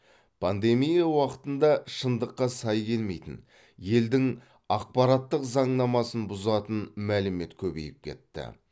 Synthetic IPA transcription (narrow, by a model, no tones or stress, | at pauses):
pʰand̪e̞mijawɑqə̥t̪ənd̪ɑʃənd̪əqːɑsɑjkʲʰe̞lme̞jt̪ɪ̰n | je̞ld̪ɪŋ | ɑq̚pɑɾɑt̪ːəqzɑɴnɑmɑsənbʊzɑt̪ənmælɪme̞t̪kʲʰɵbe̞̰jɪp̚kʲʰe̞̰t̪ːɪ̰